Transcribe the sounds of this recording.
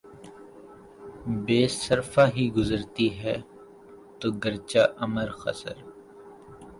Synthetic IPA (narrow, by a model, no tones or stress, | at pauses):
beːsəɾfaːɦiɡʊzəɾt̪iɦɛː | t̪oːɡəɾt͡ʃaːʔɐməɾxɐ̰sə̰ɾ